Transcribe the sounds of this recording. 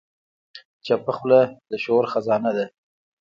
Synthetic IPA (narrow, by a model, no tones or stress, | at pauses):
t͡ʃapaxlad̪əʃoɾxazɑnad̪a